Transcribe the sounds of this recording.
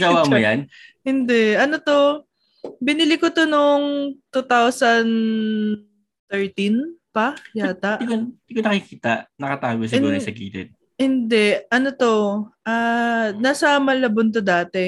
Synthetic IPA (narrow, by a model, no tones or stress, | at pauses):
ɡɐwamjanhɪnd̪ɛʔʔɐnot̪o̞ | bɪnɪlɪkot̪onoŋt̪ut̪awsɐn | t̪ɛɹt̪inpɐjaːt̪ɐʔkd̪ɪkonɐkikiːt̪aʔnɐkɐt̪aːɡos̬ɪuːɾɐsɐɡḭːt̪ɛ̰d̪̚ | hɪnd̪ɛʔɐnot̪o̞ʔaːnaːsɐmɐlɐbont̪̬od̪aːt̪ɛ